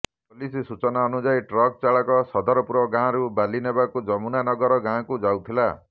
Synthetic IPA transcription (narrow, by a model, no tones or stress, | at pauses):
polisisut͡ʃɔnaɔnud͡ʒajʈrɔk̚t͡ʃaɭakɔsɔd̪ɔɾɔpuɾɔɡãɾubalinebakud͡ʒʌmunanɔɡɔɾɔɡãkud͡ʒawt̪ʰila̰